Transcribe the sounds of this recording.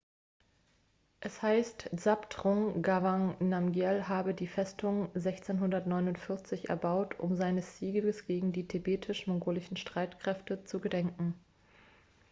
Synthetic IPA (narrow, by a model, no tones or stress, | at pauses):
ʔɛshaɪstz̥aptʁɔŋɡavaŋnamɡjɛlɦaːbədiːfɛstʰʊŋzɛçt͡seːnɦʊndɐtnɔʏnʊntfɪɐt͡sɪçʔɛ̰ɐbaʊtʰʔʊ̰mzaɪnəsz̥iːɡəɡəsɡ̥eːɡŋ̩diːtʰebeːtʰɪʃmɔŋɡoːlɪçn̩ʃtʁ̥aɪtkʁ̥ɛftət͡suɡədɛŋkŋ̩